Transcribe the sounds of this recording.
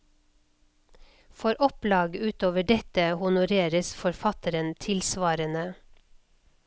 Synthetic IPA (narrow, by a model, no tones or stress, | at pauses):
fɔɾʔɔplɑːɡʉːt̪oːʋəɖɛt̪əhʊnʊɾeːɾəsfɔɾfɑt̪əɾənt̪ʰɪlsʋɑːɾənə